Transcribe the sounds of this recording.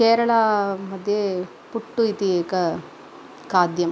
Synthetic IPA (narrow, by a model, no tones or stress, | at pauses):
keːɾɐɭɐmɐd̪ʱje | puʈːuit̪ieːkɐ | kaːd̪jɐm